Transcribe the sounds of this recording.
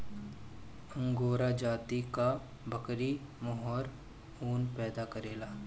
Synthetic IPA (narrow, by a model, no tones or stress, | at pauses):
ɐ̃ŋɡoːɾad͡ʒaːt̪ika | bʱɐkɾi | mɔɦɔːɾ | uːnpɛːd̪akɐɾeːlaː